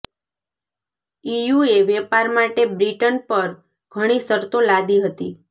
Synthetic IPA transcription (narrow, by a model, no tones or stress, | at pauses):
ijueʋɛpaɾmaʈebɾiʈənpəɾ | ɡ̥ʱəɽ̃isəɾt̪olad̪iɦət̪i